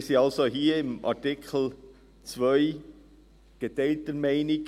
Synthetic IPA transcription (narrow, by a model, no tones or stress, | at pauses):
siɑlsohiːɪmʔa̰tɪkʰl̩ | t͡svœʏ | ɡ̥etɛltəmæɪnɪɡ